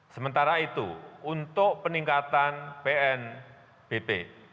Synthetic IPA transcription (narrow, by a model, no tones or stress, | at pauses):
səmənt̪aɾait̪ṵunt̪ʊʔpəniŋkat̪anpeɛn | b̥epe